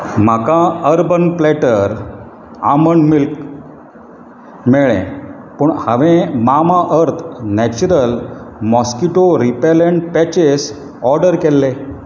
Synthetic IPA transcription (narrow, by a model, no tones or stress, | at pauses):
m̤akãəɾbənplɛʈəɾ | aməɳmilk | mɛɭḛ̃ | pəɳhaʋẽmamãʔəɾt̪ʰnæt͡ɕuɾəlmɔskiʈoɾipeleɳʈ̚pɛt͡ɕes | ɔɾɖəɾkɛlːe